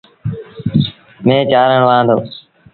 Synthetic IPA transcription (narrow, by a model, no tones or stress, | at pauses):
mẽːt͡ʃaːɾəɳʋãːnd̪oː